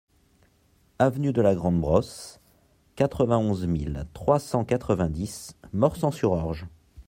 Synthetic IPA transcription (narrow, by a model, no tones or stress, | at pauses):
avnyd̪əlaɡʁɑ̃d̪bʁɔs | kat̪χəvɛ̃ɔ̃zmilt̪χwasɑ̃kat̪χəvɛ̃d̪ismɔʁsɑ̃syʁɔʁʒ